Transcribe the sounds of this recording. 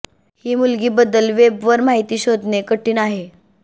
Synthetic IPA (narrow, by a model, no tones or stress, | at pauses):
hiːmulɡiːbəd̪ːəlʋebʋəɾmaɦit̪iːɕod̪nekəʈiːnaɦe